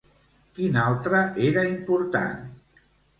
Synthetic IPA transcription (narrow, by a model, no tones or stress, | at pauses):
kinalˠt̪ɾəʔeɾaimpuɾt̪a̰n